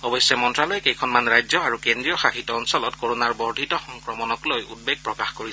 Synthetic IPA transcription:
ɔbɔjsjɛmɔntɹalɔjkejkʰɔnmanɹajzɔaɹukendɹijɔxadʱitɔɔnsɔlɔtkoɹonaɹbɔɹdʱitɔxɔŋkɹɔmɔnɔklojṵt̚beɡ̚pɹɔkaxkoɹisɛ

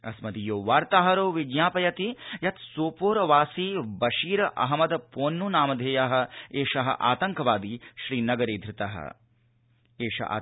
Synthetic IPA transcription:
ɐ̰smɐd̪ijoːʋaːɾt̪aːɦɐɾoːʋiɡjaːpɐjɐt̪ijɐt̪soːpoːɾɐʋaːsibɐʃiːɾɐʔɐ̰ɦɐmɐd̪ɐpoːnːunaːmɐd̪ʱeːjɐɦɐ̆eːʃɐɦɐ̰ʔa̰ːt̪ɐŋkɐʋaːd̪iʃɾiːnɐɡɐɾeːd̪ʱɾɪt̪ɐɦɐ̰ | eːʃɐ̰ʔa̰ː

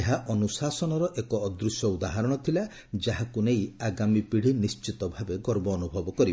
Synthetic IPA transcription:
eɦaʔɔnusasɔnɔɾɔʔekɔːd̪ɾusjɔud̪aɦaɾɔɽ̃ɔt̪ʰila | d͡ʒaɦakunejaɡamipiɽ̤inist͡ʃit̪ɔbʱabeɡɔɾbɔːnubʱɔbɔkɔɾib

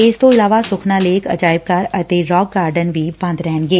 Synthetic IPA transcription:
ɪst̪oɪlaːʋasʊkʰnaleːkʰɐ̰d͡ʒaːɪb̚kaːɾɐt̪eɾɔːɡːaːɾɖənbʱibãːnd̪ɾɛːnɡeː

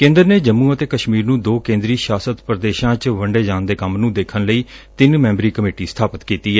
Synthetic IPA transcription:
kẽːnd̪əɾneːd͡ʒəmːũːət̪eːkəʃmiːɾnũːd̪oːkẽːnd̪ɾiːʃaːsət̪pɾəd̪eːʃãːt͡ʃʋəɳɖeːd͡ʒaːnd̪eːkəmnũːd̪eːkʰənləiːt̪ɪnmɛ̃ːmbɾiːkəmeːʈiːst̪ʰaːpət̪kiːt̪iːɛː

